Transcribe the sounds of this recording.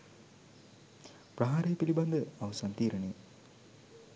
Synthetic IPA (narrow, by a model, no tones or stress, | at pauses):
prɐɦaːɾejepilibɐnd̪əɐʋɐsaːnt̪iːɾənej